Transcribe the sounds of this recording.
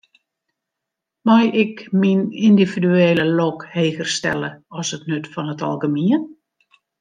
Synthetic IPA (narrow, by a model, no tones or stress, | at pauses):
majɪkminindividyeːləlɔkheːɣərstɛ̰ləɔsətnøtfɔnətɔ̰lˠɡəmiən